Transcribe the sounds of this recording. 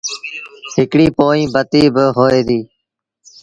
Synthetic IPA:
ɦɪkɽiːpoːĩːbət̪iːbəɦoːeːd̪iː

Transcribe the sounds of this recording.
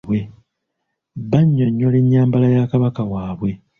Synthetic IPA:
we̞ | βaɲːoɲːoleɲːaːmbalajakaβakawaːβwe̞

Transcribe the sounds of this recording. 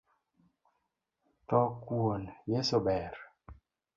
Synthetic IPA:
tɔkwonjesobɛɾ

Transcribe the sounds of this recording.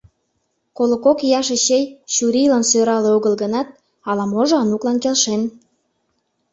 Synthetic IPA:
kolokokjɑʃeɕejɕuɾilɑnsøɾɑleoɣəlɣənɑt̪̚ | ɑlɑmoʒoɑnuklɑnkelʃen

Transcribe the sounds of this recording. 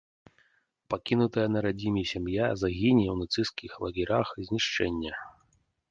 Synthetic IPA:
pakʲinut̪ɐjɐnɐɾad͡zʲimʲisʲamjazaɣʲinʲiwnat̪sɨskʲixlˠɐɣʲiɾʲaxzʲnʲiʂt͡ʂɛnʲːɐ

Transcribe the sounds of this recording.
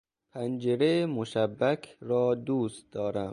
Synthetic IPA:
pʰænd͡ʒeɾemoʃæbːækʰɾɒːd̪uːst̪̚d̪ɒːɾæm

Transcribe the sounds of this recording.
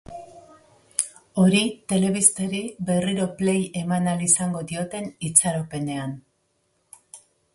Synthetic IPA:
o̞ɾit̪e̞le̞β̞ist̪eɾibe̞riɾo̞pleje̞manalisaŋɡo̞ðio̞t̪e̞nit͡saɾope̞ne̞an

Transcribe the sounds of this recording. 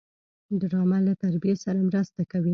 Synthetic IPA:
dɾɑmalat̪aɾbijesaɾamɾəst̪akawi

